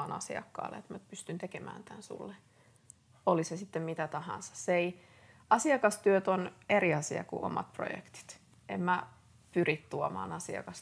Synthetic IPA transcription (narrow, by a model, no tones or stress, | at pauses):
nɑ̰sḭɑ̰kːɑ̰ːlːḛet̪mænyt̪̚pyst̪ynt̪ekemæ̰ːnt̪ænsṵlːe | olisesit̪ːemmit̪æt̪ɑhɑ̰̃nsɑ̥sːei | ɑsiɑkɑst̪yøt̪oneriɑsiɑ̰kṵʔo̰mɑ̰t̪pro̰jḛkt̪i̥t̪ | ʔemmæ | pyrit̪t̪uomɑ̰ːnɑsiɑ̰kɑs